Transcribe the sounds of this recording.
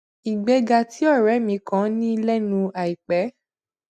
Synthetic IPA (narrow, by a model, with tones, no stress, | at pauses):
i˨ɡ͡bɛ˧ɡa˧˨ti˨˦ɔ˦˨ɾɛ˨˦mĩ˨˦kã˦nĩ˦˧lɛ˦nũ˧a˨i˨k͡pɛ˨˦